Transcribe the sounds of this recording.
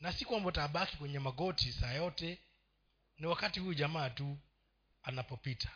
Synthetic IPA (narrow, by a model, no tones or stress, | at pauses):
nasikwambɔtaɓakikwɛɲɛmaɡɔtʰisaːjɔtɛ | niwakatihujuʄamaːtu | anapɔpitʰḁ